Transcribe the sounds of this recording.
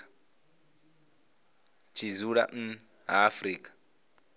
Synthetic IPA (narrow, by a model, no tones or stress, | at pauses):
t͡ʃʰizuɺa̰n̩ | ɦafɾiːkʼḁ